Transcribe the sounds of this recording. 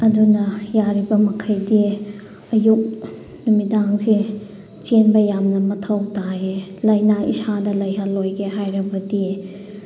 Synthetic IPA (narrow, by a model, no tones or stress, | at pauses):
ɐdunɐjaɾibɐmɐkʰɐjdi | ɐjuk̚ | numidaŋse | t͡ʃenbɐjamnɐmɐtʰɐwtaɦelɐjnaḭsadɐlɐjɦɐlojɡeɦajɾɐbɐdi